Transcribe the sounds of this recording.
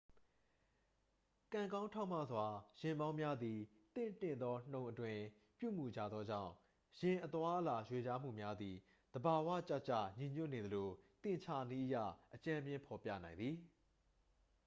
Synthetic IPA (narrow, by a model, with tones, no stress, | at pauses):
kã˨ŋkã˦ʊ̃ntʰã˦˨m̥a̰˦˨zwa˨jɪ̃˨mbã˦ʊ̃mja˦d̪i˨ | t̪ɪ̰̃˦˨ntɪ̰̃˦˨nd̪ɔ˦n̥õ˨ʊ̃ʔətwɪ̃˨ | pjṵ˦˨mu˨d͡ʑä̰˦˨d̪ðɔ˦d͡ʑã̰˦˨ʊ̃ | jɪ̃˨ʔət̪wa˦ʔəla˨jwe˨d͡ʑa˦m̥ṵ˦˨mja˦d̪i˨ | d̪̥əba˨wä̰˦˨t͡ɕa˦ʔt͡ɕa̰˦˨ɲĩ˨ɲjʊ˦ʔne˨d̪ə˨lo˨t̪ɪ̃˦˨t͡ɕʰa˦ni˦ʔəjä̰˦˨ʔət͡ɕã˦mjɪ̃˦pʰɔ˨pjä̰˦˨nã˨ɪ̃nd̪ði˨